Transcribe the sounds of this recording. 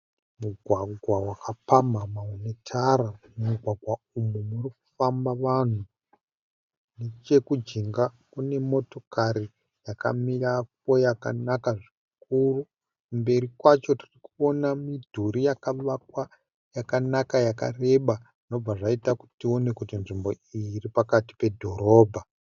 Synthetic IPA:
muɡʱwaɡʱwawakapamamaunetʰaɾamuɡʱwaɡʱwa | umumuriku̥fambaʋan̤u | net͡ʃe̞kud͡ʒiŋɡa | kune̞mo̞to̞kaɾi | jaka̰mirap̚o̞jaka̰nakaʐi | k̚uru | kumbe̞ɾikwat͡ʃo̞ti̥rikuo̞namidʱuɾijakaʋakwa | jakanakajaka̰re̞ɓaʐino̞b͡vaʐaitaku̥tio̞ne̞kutinʐimbo̞ | iripakati̥pe̞dʱo̞ɾo̞ːbʱa

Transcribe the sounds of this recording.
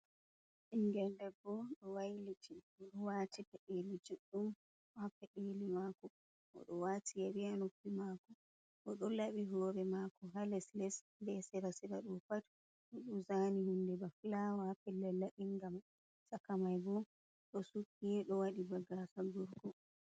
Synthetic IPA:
ʔiŋɡɛndɛbɔɗɔwajlitʰi | ɔɗɔwatipɛɗelid͡ʒuɗːum | ɔhapːɛɗelimakɔ | ʔɔ̰ɗɔwatʰijaɾianopːimakɔ | ʔɔɗɔlaɓiɦɔːɾɛmakɔɦalɛslɛs | bɛsɛɾasɛɾaɗumpat | ɔɗuzanihundɛbaflawahapɛlɛlːaʔiŋɡam | sakamajbɔ | ɗɔsukːiɗɔwaɗibaɡakaɡuɾɡɔ

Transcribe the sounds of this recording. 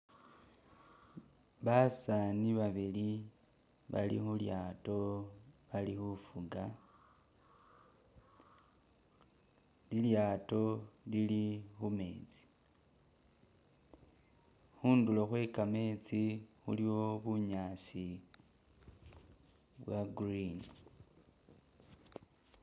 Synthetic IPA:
βasaniβaβili | βa̰lḭxuljaːto̞βalixufuɡa | liljaːto̞lilixume̞ːt͡si̥ | xuːndulo̞xwe̞kame̞ːt͡sixṵliwo̞βuɲaːsi | βwaɡrin

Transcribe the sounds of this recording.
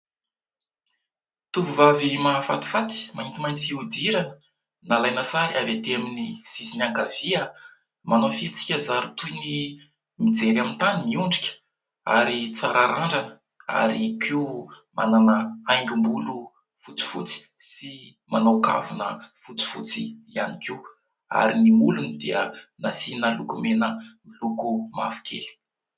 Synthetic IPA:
t̪uvuvavimafa̰t̪i̥fat̪i̥maint̪imajnt̪i̥fiud̪iɾanə̥ | nalajnəsaɾiʔavet̪eaminisisinaŋɡavia | manawfit͡si̥kʲəzaɾut̪ujni | mid͡zeɾamint̪animiuɳɖ͡ʐikʲə̥ | a̰ɾit͡saɾʔaɾaɳɖ͡ʐanə | a̰ɾikʲʰi | ma̰nanəajŋɡʲumbulu | fut͡si̥fut͡si̥ | si | manawka̰vunə̰fut͡si̥fut͡siianikʰʲiw | a̰ɾinimulunid̪iənasinalukumenəmilukuma̰fu̥kʲʰḛli̥

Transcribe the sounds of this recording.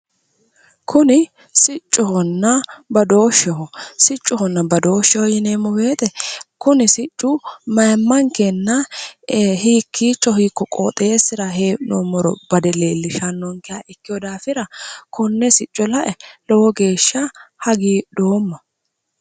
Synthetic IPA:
kʰʊnɪ | sɪt͡ʃʼːɔhɔnːɐbɐd̪o̞ːʃːɛhɔsɪt͡ʃʼːɔhɔnːɐbɐd̪o̞ːʃːɛhɔjɪneːmːɔbe̞ːt̪ɛkʊnɪsɪt͡ʃʼːʊmɐjmːɐŋkɛnːɐ | hiːkʰːiːt͡ʃːɔɦiːkːɔkʼo̰ːt̪ʼeːsɪɾɐɦeːnomɔɾɔb̥ɐd̪ɛleːlːɪʃɐnːɔŋkɪjaʔɪkːɪjɔd̪aːfɪɾɐkʊnːɛsɪt͡ʃʼːɔlɐʔɛlɔwɔɡe̞ːʃːɐhɐɡiːd̪o̞ːmːɐ

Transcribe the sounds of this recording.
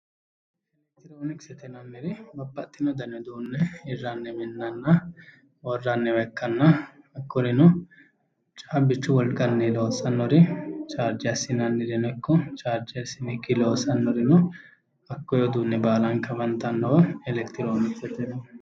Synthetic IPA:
ɛlɛkt̪ɪɾoːnɪksɛt̪ɛnɐnːɪɾɛbɐpʼːɐt̪ʼːɪnɔd̪ɐnɔd̪uːnːɛɪrːanːɛmɛnːɐnːɐ | wɔrːanːɛwɐkːɐnːɐ | ɐkːɔɾɪnʊ | t͡ʃʼaːbɪt͡ʃːʊwɔlɡɐnːɛlo̞ːsɐnːɔɾɪt͡ʃʼaːɾd͡ʒɪɐsːɪnɐnːɪɾɛnɛkːɔt͡ʃʼaːɾd͡ʒɛɐsɪnɪkːɪlo̞ːsɐnːɔɾɪnɔ | ɐkːɔjɔd̪uːnːɛbaːlɐŋkɐbɐnt̪ːɐnːɔwɐɛlɛkt̪ɪɾoːnɪksɛt̪ɛnɐ

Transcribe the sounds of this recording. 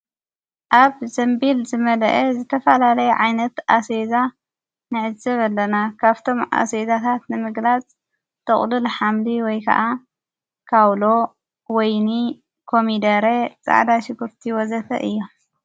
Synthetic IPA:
ʔaβzɐmbilzɨmɐlɐ̰ʔezɨt̪ʰɐfɐlalɐjɛʕajnɐt̪ʔaseza | nɨʕɨzɨβɐlːɐnakʰaβt̪ʰo̞mʔa̰sezat̪ʰat̪nɨmɨɡlat͡sʼ | t̪ʰɐχʼlɨlħamliwɔjkʰɐ̰ʔa | kʰawlo̞ | wɔjni | kʰo̞mid̪ɐɾet͡sʼa̰ʕd̪aʃɨɡɨɾt̪ʰiwɔzɐfɐ̰ʔɨjːo

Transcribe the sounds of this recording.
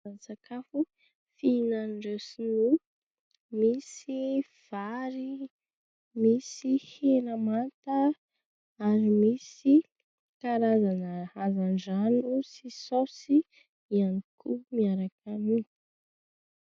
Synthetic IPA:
sakʰafu | finanɳɖ͡ʐewsinu | misi | v̥aɾi | misihenəmant̪a | aɾimisi | kaɾazanəazand͡ʒanusisosi | ianikumiaɾakani

